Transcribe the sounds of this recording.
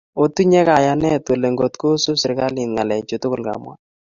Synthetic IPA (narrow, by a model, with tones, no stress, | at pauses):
o˦tu˦ɲɛ˦ka˨ja˨nɛ˦two˨le˨ŋɡo˨tko˦sʊ˦sɪ˨ɾka˦lɪ˨nŋa˨lɛ˨ɲt͡ʃo˨tʊ˦kʊ˨lka̰˨mwa̰˦